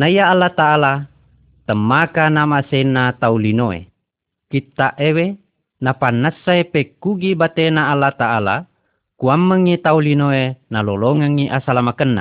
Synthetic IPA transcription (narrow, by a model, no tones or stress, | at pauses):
naijaːlːat̪aʔala | t̪əmːakanamasenːat̪aulinoḛ | kit̪ːaʔewe | napanːasːaepekːuɡibat̪enaalːat̪aʔala̰ | kuamːəŋːit̪aulinoenaloloŋəŋːiʔasalamakənːa̰